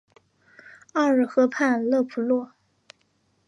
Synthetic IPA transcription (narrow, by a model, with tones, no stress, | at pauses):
a˥˧ɻ̩˥˩xɤ˧˥pʰa˥˧nlɤ˥˩pʰu˧˥lwɔ˥˩